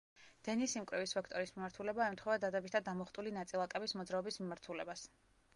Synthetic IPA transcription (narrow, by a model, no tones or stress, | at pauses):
d̪̥ɛnisimkʼɾɛvispʰɛkʰt̪ʼɔɾismimaɾt̪ʰulɛbaɛmt̪χɔvad̪ad̪ɛbit̪t̪ʰad̪amɔχt̪ʼulinat̪sʼilˠakʼɛbismɔd̪zɾaɔbismimaɾt̪ʰulɛbas